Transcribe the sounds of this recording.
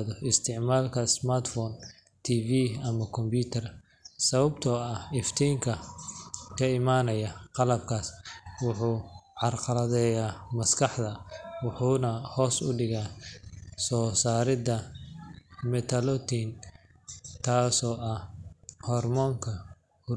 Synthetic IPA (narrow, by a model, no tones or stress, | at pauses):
ðɔɪst̪ʰɪʕmaːlkʰɐsmart̪fɔn | t̪ʰiːviːɐmɐkʰɔmpbuːt̪ʰɐr | sɐβɐbt̪ʰɔːɐhɪft̪ʰɛjŋkʰɐ | kʰɐɪmaːnɐjaqɑlɐb̚kʰaːswʊħuːʕɑrqɑlɐðɛjaːmɐskʰɑħd̪ɐwʊħuːnɐhɔːsʊ̰ɖɪɣaː | sɔːsaːɾɪd̪ɐ | mɛt̪ʰɐlɔt̪ʰiːn | t̪ʰaːsɔːʔɐhhɔrmɔːŋkʰɐ | hʊ